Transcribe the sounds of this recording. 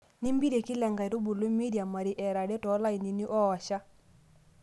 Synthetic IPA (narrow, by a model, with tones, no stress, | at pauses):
ni˦mbi˦ɾe˨ki˦lɛ˨ŋɡa˨i˨ɾo˦bu˨lo˦mi˦ɾja˨ma˨ɾi˦ʔɛ˨ɾa˨ɾe˦tɔ˨˦la˦i˨ni˨ni˦ʔɔ˦ɔ˨ʃa˦